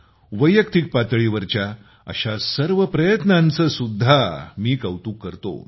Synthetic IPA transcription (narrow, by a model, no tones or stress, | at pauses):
ʋəjːəkt̪ik̚pat̪ɭiʋəɾt͡ɕja | ə̰ɕasəɾʋəpɾəjət̪nãnt͡səsud̪ʱːamiːkəwt̪ũːkːəɾt̪o̰